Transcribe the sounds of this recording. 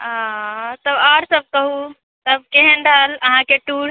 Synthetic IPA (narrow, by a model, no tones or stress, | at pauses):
ãt̪əbaːɾsəb̚kəɦu | t̪əb̚keɦənɖələɦãkeʈuɾ